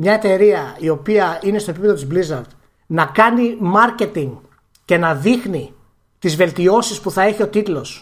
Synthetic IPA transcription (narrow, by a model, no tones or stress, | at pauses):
mɲɐe̞t̪e̞ɾiɐio̞piɐine̞st̪opipeðot̪izblizɐɾd̪ | nɐkɐnimɐɾce̞t̪iŋɡ | ce̞nɐðixni | t̪izve̞lt̪io̞sispuθɐe̞çio̞t̪it̪lo̞s